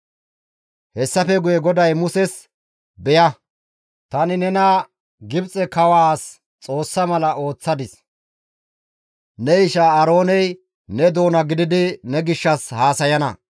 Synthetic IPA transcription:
hɛsːɐfɛɡʊjɛɡɔd̪ɐjmʊsɛs | bɛjɐ | t̪ɐnɪnɛnɐ | ɡɪbt͡sʼɛkɐwaːs | t͡sʼo̞ːsːɐmɐlɐʔo̞ːt͡sːɐd̪ɪs | nɛɪʃaɐɾo̞ːnɛj | nɛd̪o̞ːnɐɡɪd̪ɪd̪ɪnɛɡɪʃːɐshaːsɐjɐnɐ̰

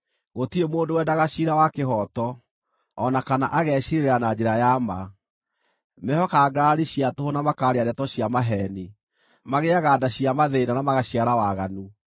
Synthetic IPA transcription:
ɣotiemoːndowɛdaɣaʃiɾawakeɦɔtɔː | nakanaʔaɣɛːɕiɾeɾanad͡ʑeɾajama | mɛhɔkaɡaɾiɕiatohonamakaːɾeaɾɛtɔɕiamaɦɛni | maɣeaɣaːdaɕiamaðenanamaɣaɕiaɾawaɣanu

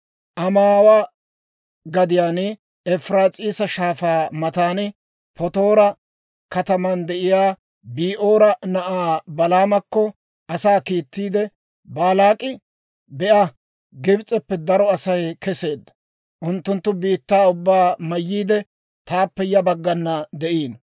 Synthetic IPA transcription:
ʔɐmaːwa | ɡɐd̪ɪjaːn | ɛfɾaːt͡sʼiːsɐʃaːfaːmɐt̪aːn | pɔt̪o̞ːɾɐ | kɐt̪ɐmɐnd̪ɛʔɪjaː | biːʔo̞ːɾɐnɐʔaːbɐlaːmɐkːɔ | ʔɐsaːkiːt̪ːiːd̪ɛ | baːlaːkʼɪ | bɛʔɐ | ɡɪbt͡sʼɛpːɛd̪ɐɾɔɐsɐjkɛse̞ːd̪ːɐ | ʔʊnt̪ːʊnt̪ːʊbiːt̪ːaːʊbːaːmɐjːiːd̪ɛ | t̪aːpːɛjɐbɐɡːɐnːɐd̪ɛʔiːn

